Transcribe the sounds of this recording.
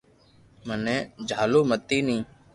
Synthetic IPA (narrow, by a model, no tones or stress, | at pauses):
mənẽːd͡ʒʱaːloːmət̪ːiːnĩː